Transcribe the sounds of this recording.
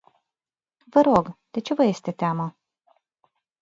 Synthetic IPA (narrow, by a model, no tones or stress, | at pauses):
vəɾo̞ɡd̪̥e̞t͡ʃe̞vəje̞st̪e̞t̪eamə